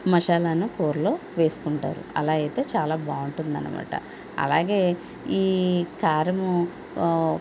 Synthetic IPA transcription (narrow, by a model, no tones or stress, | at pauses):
mɐʂaːlaːnuko̞ːɾlo̞ːʋe̞ːsu̥kuɳʈa̰ːɾṵɐ̰laːɡɐjt̪e̞ːt͡ʃaːlaːbaːuɳʈund̪ɐ̰nḭma̰ːʈɐ̰ | ɐ̰la̰ːɡe̞ː | iːkaːɾɐmu